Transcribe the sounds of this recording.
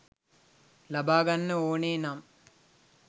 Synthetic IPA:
lɐbaːɡɐnːɨoːneːnaːm

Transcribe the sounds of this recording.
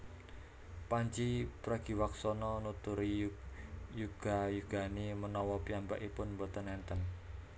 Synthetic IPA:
paɲt͡ʃipɾaɡ̥i̤waksɔnɔnut̪uɾi | juɡ̥a̤juɡ̥a̤nimənɔwɔpiamba̰ʔipʊnmbɔt̪ənɛnt̪ən

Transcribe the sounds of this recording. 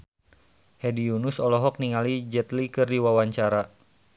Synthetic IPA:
hɛdiunusɔlɔɦɔk̚niŋalid͡ʒɛt̪likɨrdiwawaɲt͡ʃaɾa

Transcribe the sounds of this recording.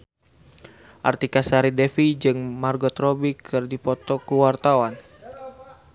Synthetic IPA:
ʔa̰rt̪ikasaɾidɛfid͡ʒɨŋmarɡɔt̪rɔbikʰɨrdipɔt̪ɔkuwart̪awan

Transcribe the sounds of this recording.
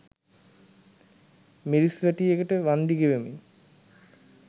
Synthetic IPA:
miɾisʋæʈijekəʈəʋand̪iɡeʋemḭ

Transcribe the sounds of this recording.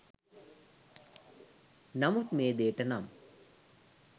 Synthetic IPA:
nɐmut̪meːd̪eːʈɐnam

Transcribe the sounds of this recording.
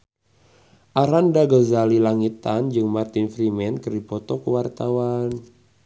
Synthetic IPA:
ʔaɾandaɡəzalilaŋit̪and͡ʒɨŋmart̪infɾimɛnkəripɔt̪ɔkəwart̪awan

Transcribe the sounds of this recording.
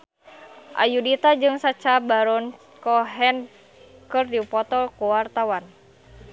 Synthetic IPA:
ʔa̰judit̪ad͡ʒɨŋsat͡ʃabaɾɔn | kɔɦɛn | kɨrdipɔt̪ɔlkuwart̪awan

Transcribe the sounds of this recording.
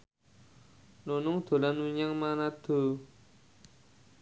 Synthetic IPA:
lonoŋt̪ʰolanuɲaŋmanat̪ʰə

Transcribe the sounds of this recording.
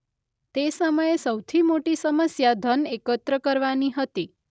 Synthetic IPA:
t̪esəməjesəwt̪ʰimoʈisəməsjad̪ʱənekət̪ɾəkəɾʋaniɦət̪i

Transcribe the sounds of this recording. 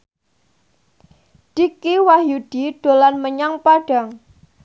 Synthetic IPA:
d̥ikiwaɦjud̥iɖ̥o̤lanməɲaŋpaɖ̥a̤ŋ

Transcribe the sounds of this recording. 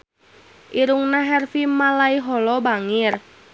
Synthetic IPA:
ʔiɾuŋnaɦɛrfimalaiɦɔlɔbaŋɪr

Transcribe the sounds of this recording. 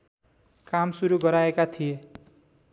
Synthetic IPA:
kamsuɾuɡʌɾaekat̪ʰie

